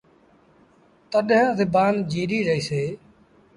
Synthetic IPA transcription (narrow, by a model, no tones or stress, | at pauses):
t̪əɗɦə̃zɪbaːnd͡ʒiːɾiːɾəiːseː